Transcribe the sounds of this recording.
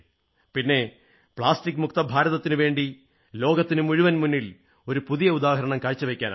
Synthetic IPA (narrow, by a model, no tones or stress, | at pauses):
pinːe̞ | pɭaːstikːmukt̪ɐbʱaːɾɐðɐt̪ːinɨʋe̞ːɳɖi | lo̞ːɡɐt̪ːinɨmuɻuʋɐnmunːil | o̞ɾupuðijɐud̪aːɦɐɾɐɳɐmkaːɻt͡ɕːɨʋekʲːaːna̰